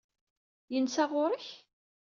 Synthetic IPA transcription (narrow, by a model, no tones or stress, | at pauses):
jənsaʁʊɾˤəç